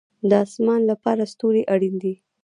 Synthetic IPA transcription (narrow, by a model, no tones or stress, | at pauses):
d̪əɑsmɑnlapɑɾast̪oɾeʔaɽind̪i